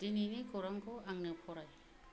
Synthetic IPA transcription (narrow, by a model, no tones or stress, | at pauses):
d̥ininikoɾaŋkɔaŋnɯpʰɔɾaj